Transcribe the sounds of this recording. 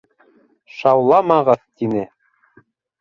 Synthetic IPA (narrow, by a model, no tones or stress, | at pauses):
ʃɑwlˠɑmɑʁɤðt̪inɘ